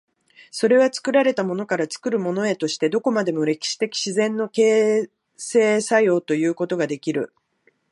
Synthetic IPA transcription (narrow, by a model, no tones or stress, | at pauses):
so̞ɾe̞βat͡sɨ̥kɯ̟ɾaɾe̞t̪amo̞no̞kaɾat͡sɨ̥kɯ̟ɾɯ̟mo̞no̞e̞t̪o̞ɕi̥t̪e̞d̪o̞ko̞mad̪e̞mo̞ɾe̞kʲi̥ɕi̥t̪e̞kʲi̥ɕizẽ̞nːo̞ke̞ː | se̞ːsajo̞ːt̪o̞jɯ̟ːko̞t̪o̞ɡad̪e̞kʲiɾɯ̟̰